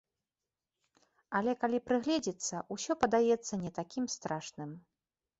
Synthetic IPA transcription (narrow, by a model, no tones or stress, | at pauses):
ɐlʲɛkalʲipɾɨɣlʲɛd͡zʲit̪sːɐʔusʲɔpɐd̪ajɛt̪sːɐnʲɛt̪akʲimst̪ɾaʂnɨm